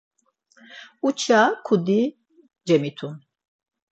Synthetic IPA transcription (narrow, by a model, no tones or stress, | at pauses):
ut͡ʃʰakʰud̪i | d͡ʒɛmit̪ʰun